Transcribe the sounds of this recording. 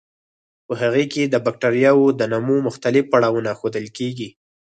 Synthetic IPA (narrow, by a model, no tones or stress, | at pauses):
pəɦaɣeked̪əbak̚ʈaɾijɑwod̪ənamumʊxt̪alɪfpaɽɑwənaxod̪əlkeɡi